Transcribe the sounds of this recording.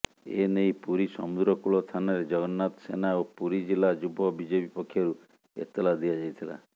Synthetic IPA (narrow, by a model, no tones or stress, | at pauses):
ḛneijpuɾisɔmud̪ɾɔkuɭɔst̪ʰanɔɾed͡ʒɔɡɔnːat̪ɔsenaopuɾid͡ʒilad͡ʒubʱɔbid͡ʒepipɔkʰːjɔɾu | ḛt̪ːɔlad̪iad͡ʒajt̪ʰila̰